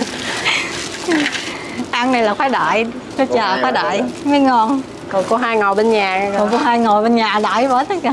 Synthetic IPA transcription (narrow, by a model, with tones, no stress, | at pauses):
ʔa˧nnːa˨˩jlaː˨˩xwaː˨˦jɗa̰ː˧˨j | sə˧˦t͡ɕəː˨˩xwaː˨˦ɗa̰ː˧˨jma˨˦ŋɔ˧n | kɔ˨˩ku˨˧˦ɦaː˧jŋo˨˩jɓe˧nɲaː˨˩˨ku˨˧˦ɦaː˧jŋo˨˩jɓe˧nɲaː˨˩ɗa̰ː˧˨˩jvəː˨˦˥